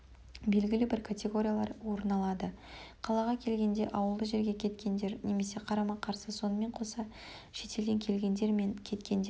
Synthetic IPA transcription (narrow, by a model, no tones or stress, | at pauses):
be̞lɡʲɪlɪbɪɾkʰat̪ʲe̞ɡo̞ɾʲijalˠɑ̰ɾwo̞ɾənɑlˠɑd̪ə | qʰɑlˠɑʁɑkʲʰe̞lɡʲe̞nd̪e̞ʔɑwəlˠd̪əʒe̞ɾɡʲe̞kʲʰe̞t̪kʲe̞nd̪e̞ɾne̞me̞se̞qʰɑɾɑmɑqʰɑɾsəso̞nəme̞ɴqʰo̞sɑ | ʃe̞t̪e̞ld̪e̞ŋkʲʰe̞lɡʲe̞nd̪e̞ɾme̞nkʲʰe̞t̪kʲe̞nd̪e